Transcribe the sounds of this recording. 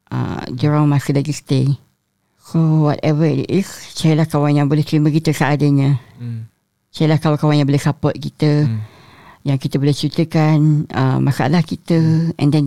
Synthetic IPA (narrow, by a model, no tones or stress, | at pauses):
ʔə̰duɹãŋmãsəlaɡisə̥t̪e | sowɔtɛvətist͡ʃaɾilahkawaŋjaŋbolɛht̪ɾimə̃kit̪əsaːdaɲã | t͡ʃailahkawakawaŋjãŋbolɛsapɔt̪̚kit̪ə | jaŋkit̪əbolɛht͡ʃit̪əkanə̰masaʔa̰lahkit̪əɛ̰̃ndɛn